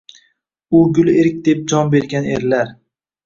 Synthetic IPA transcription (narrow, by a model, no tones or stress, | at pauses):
ʊɡʲʊlˠeɾɪkʲd̪e̞p̚d͡ʒɒnbe̞ɾɡʲanḛɾlaɾ